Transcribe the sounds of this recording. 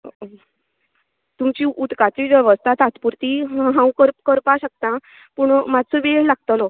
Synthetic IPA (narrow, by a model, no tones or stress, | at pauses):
t̪umt͡ɕiːʔut̪kat͡ɕiːʋeʋəst̪ʰat̪at̪puɾt̪iɦɦãwkəɾkəɾpaɕək̚t̪ã | puɳmad̪səʋelaɡ̚t̪əlɔ